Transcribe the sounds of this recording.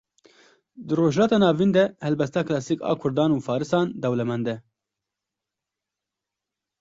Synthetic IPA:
d̪ɨroːʒlɑːt̪ɑːnɑːvind̪ɛhɛlbɛst̪ɑːklɑːsikɑ̰ːkʰʊɾd̪ɑːnuːfɑːɾɨsɑːnd̪ɛwlɛmɛnd̪ɛ

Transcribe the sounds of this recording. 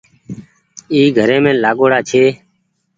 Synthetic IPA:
iːɡʱəɾẽːmẽːlaːɠoːɽaːt͡ʃʰeː

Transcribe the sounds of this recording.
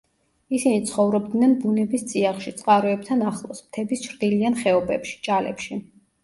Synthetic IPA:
isinit̪sʰχɔvɾɔb̚d̪nɛnbunɛbist̪sʼiaχʃit̪sʼqʼaɾɔɛb̚t̪ʰanaχlˠɔsmt̪ʰɛbist͡ʃʰɾd̪ilianχɛɔbɛpʃi̥t͡ʃʼalɛ̰pʃi

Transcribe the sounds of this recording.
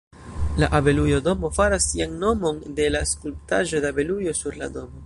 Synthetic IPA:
laʔabe̞lujodo̞mo̞faɾasːianno̞mo̞nde̞laskulptaʒo̞deabe̞lujo̞suɾla̰do̞mo̞

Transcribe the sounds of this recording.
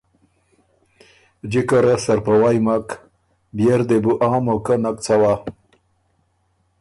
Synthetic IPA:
d͡ʑikaɾasaɾpawajmak | bjeɾd̪ebuʔãːmokanak̚t͡sawa

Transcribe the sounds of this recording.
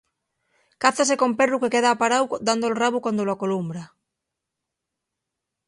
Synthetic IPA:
kaθasekomperukekeð̞aːpaɾawd̪and̪olraβukwand̪oloakolumbɾa

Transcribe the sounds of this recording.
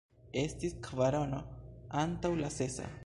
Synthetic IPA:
e̞stiskʰvaɾono̞antawlase̞sa̰

